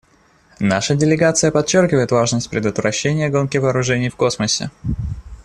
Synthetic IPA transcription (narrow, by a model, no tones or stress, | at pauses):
naʂədʲɪlʲɪɡat̪sɨjəpɐt͡ɕːorkʲɪvəjɪt̪vaʐnəsʲtʲpɾʲɪd̪ʊt̪vɾʔɐɕːenʲɪjəɡo̞nkʲɪvɐːɾʊʐɛnʲɪjfko̞sməsʲɪ̰